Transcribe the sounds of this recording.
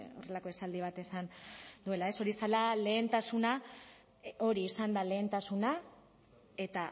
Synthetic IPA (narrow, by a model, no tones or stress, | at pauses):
o̞̰re̞lako̞e̞sald̪iβ̞at̪e̞sand̪ue̞lae̞so̞ɾiesalale̞ːnt̪asuna | o̞ɾiːsand̪ale̞ːnt̪asuna | e̞t̪a